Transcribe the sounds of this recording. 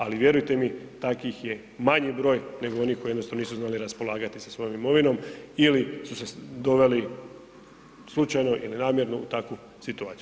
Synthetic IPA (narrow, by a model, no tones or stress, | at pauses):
aliʋjeɾujt̪e̞mit̪akʋixje | maɲibɾo̞ːjne̞ɡoo̞niːxko̞jenosaniːsuznaːliɾaspo̞lˠaːɡat̪isasʋo̞jo̞mimo̞ʋino̞milisused̪o̞ʋe̞li | slˠut͡ʃajno̞ʔilinaːmje̞ɾnout̪akʋu | sit̪uaːt̪siu